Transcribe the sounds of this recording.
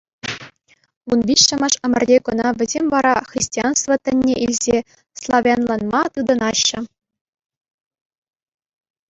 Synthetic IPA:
unʋʲiɕːɤ̆mɑ̆ʂɘ̆mʲɘ̆rʲdʲekɤ̆nɑʋʲɘ̆zʲemʲvɑɾɑxʲrʲisʲtʲiɑnst̪vɤt̪ʲɘ̆nʲːeʔilʲzʲe | slˠɑʋʲjɑnlˠɑnmɑt̪ɯd̪ɤ̆nɑɕːɘ̆

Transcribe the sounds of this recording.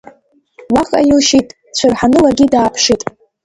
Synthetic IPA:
waχʼa̰jɪlʃitʼ | t͡ɕʷʰɨrħanɨlaɡʲidaːpʰʂitʼ

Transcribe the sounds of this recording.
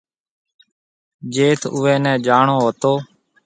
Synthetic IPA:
d͡ʒeːt̪ʰʊːɛ̃ːnɛ̃ːd͡ʒaːɳoːɦoːt̪oː

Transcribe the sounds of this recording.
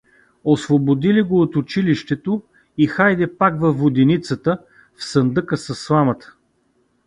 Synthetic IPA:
osvobod̪iliɡoːt̪ʊt͡ʃiliʃt̪ɛt̪o | ixajd̪ɛpakvɐvːod̪init̪sət̪ə | fsənd̪ɤkəsɐsːlˠamət̪ə̥

